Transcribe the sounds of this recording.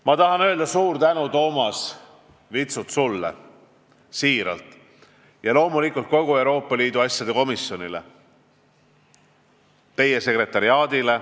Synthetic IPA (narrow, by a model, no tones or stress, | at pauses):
mɑt̪ɑɦɑnø̞ld̪̥ɑsuːɾt̪ænut̪o̞ːmɑs | vit̪sut̪sulːḛ | siːɾɑ̰lt̪ˑ | jɑlo̞ːmulikːˑult̪̚ko̞ɡ̥uewɾo̞ːpːˑɑliːd̪uɑsʲjɑd̪e̞ko̞misjo̞nilḛ | t̪e̞jese̞kre̞t̪ːˑɑɾiɑːd̪̥ile